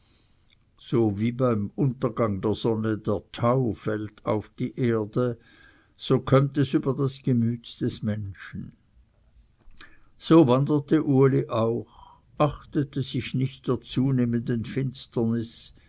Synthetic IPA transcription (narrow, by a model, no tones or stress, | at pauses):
z̥oːviːbaɪmʊntɐɡaŋdeːɐz̥ɔnədeːɐtʰaʊfɛltʰa̰ʊfd̥iːʔeːɐdə | z̥oːkʰœmtɛsyːbɐdasɡ̥əmyːtd̥ɛsmɛnʃn̩ | z̥oːvandətəʔuəliʔaʊx | ʔaχtətəz̥ɪçnɪçt̚d̥eːɐt͡suːneːməndənfɪnstɐnɪs